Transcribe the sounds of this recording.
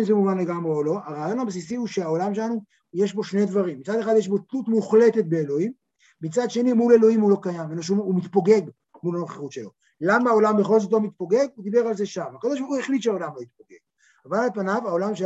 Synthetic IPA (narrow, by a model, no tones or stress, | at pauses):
nzemuvanle̞ɡamʁeolo̞aʁaːjo̞nhabs̬isihuʃeao̞lamʃelanu | je̞ʃbo̞ʃnejd̪vaʁimːit͡sad̪eχad̪jeʃ̬bo̞tlut̪muχle̞t̪e̞t̪̚be̞eːlo̞im | mit͡sad̪ʃe̞nimule̞lo̞imulo̞kajamenoʃuumit̪poɡe̞ɡ | mulanoχeʁut̪ʃe̞lo̞ | lamao̞lambeχo̞lzot̪̬o̞mit̪̚poɡe̞ɡud̪ibe̞ʁalzeʃamakod̪o̞ʃ̬bʁχuheχlit̪ʃeao̞lamlo̞jit̪̚poɡeɡ̥̚ | avalalpanavao̞lamʃe